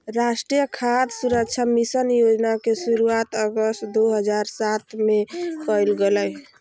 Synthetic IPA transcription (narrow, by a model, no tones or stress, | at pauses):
ɾasʈɾijəkʰad̪suɾək̚t͡ʃʰamisənjod͡ʒnakesuɾuat̪əɡəst̪d̪oɦəd͡ʒaɾsat̪mekəjlɡeləj